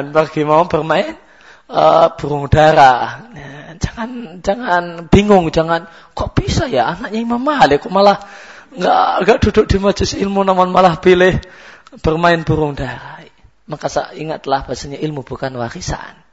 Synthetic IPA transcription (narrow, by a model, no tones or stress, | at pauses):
npərɡ̥imaab̥ərmaɪn | əb̥uɾʊŋdaɾaad͡ʒḁŋand͡ʒaŋanb̥iŋʊŋd͡ʒaŋan | kaʔb̥isajaanak̚ɲaimamaɦalakʊmalah | ŋɡa̰ʔŋɡaʔd̥udʊk̚d̥imad͡ʒʊsilmunamanmalahpilɪhb̥ərmaɪnb̥uɾʊŋdaɾa | makasa̰iŋat̪ːəlahb̥asaɲaʔilmub̥ukanwaɾisa̰n